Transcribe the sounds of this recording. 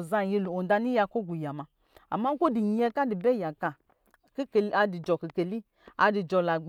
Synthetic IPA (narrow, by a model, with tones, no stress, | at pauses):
za˧˨ji˧lu˨o˨n˨da˧ni˦ja˧ko˦ɡʷu˨ja˨ma˧˨ | a̰˨ma˦ko˦di˨ɲ˦ɛ˧ka˦di˨bɛ˦ja˨ka˨ | kka˧di˨d͡ʒɔ˨ki˨ke˨li˦ | a˧di˨d͡ʒɔ˧˨la˨ɡ͡b